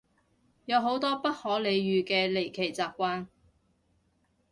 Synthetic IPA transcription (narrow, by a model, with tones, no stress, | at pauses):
jɐ˨˧wɦo˨˥wt̪ɔː˥pɐ˥t̚hɔː˨˥le˨˧jɥyː˨kɛː˧le˨˩jkʰe˨˩jt͡saː˨p̚kʷaː˧n